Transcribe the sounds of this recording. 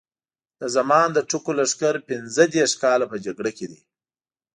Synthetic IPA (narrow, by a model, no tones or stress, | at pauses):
d̪̥əzamɑːnd̪əʈukolaʂkaɾpɪnzəd̪eɾʂkɑːlapəd͡ʒaɡɽaked̪i